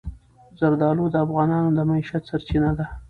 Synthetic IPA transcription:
zaɾd̪ɑlud̪əafɣɑnɑnod̪əmaiʃat̪saɾt͡ʃinad̪a

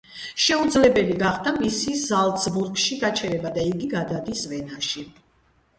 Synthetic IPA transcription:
ʃɛud̪zlɛbɛliɡaχd̪amisizalˠt̪sbuɾɡʃiɡat͡ʃʰɛɾɛbad̪aiɡiɡad̪ad̪isvɛnaʃi

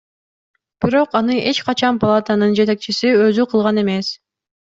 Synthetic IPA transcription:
b̥iɾo̞qɑnɯʔe̞t͡ʃqɑt͡ʃɑnpalˠat̪anɯnd͡ʒe̞t̪e̞k̚t͡ʃisiø̞zyqʰɯlˠʁɑne̞me̞s

